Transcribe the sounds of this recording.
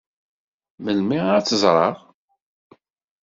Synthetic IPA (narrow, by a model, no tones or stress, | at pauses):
məlmiɾæt͡sːəzˤɾˤɑ̰ʁ